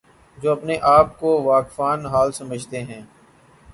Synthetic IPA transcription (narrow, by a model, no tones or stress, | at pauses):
d͡ʒoːɐpneʔaːp̚koʋaːkfaːnɦaːlsɐməd͡ʒʱt̪eɦɛ̃ː